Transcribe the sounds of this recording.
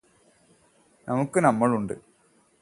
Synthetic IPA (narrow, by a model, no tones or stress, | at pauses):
nʔɐmɐkːɨnɐmːɐɭuɳɖɨ̰